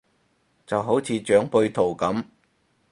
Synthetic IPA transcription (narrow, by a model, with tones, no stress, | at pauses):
t͡sɐ˨wɦo˨˥wt͡sʰiː˨˧t͡ʃœː˨˥ŋpɵ˧ɥt̪ʰo˨˩wkɐ˨˥m